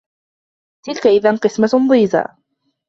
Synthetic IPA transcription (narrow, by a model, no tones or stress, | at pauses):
t̪ɪlkaʔɪðanqɨsmanðˤiːza̰